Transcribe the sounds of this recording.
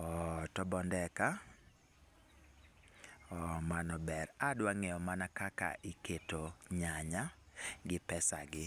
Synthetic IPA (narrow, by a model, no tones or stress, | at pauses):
ɔtɔbɔndɛka | ɔmanɔbɛɾadwaŋɛɔmanakaka̰ʔiketoɲaɲaɡɪpɛsa̰ɡɪ